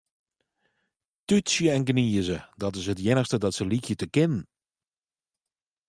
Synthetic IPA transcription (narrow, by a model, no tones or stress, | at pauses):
tytsjəɛnɡəniəzədɑtɪsɦət̬jɪnəxstədɑtsəlikjətəkɪnən